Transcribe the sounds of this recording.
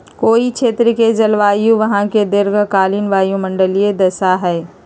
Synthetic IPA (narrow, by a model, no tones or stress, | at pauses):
koːikʃʰeːt̪ɾəked͡ʒɐlʋaːjũʋɐɦãked̪ɪɾɡkaːlɪnʋaːjũmɐ̃ɳɖəlijed̪ɐsaɦɛː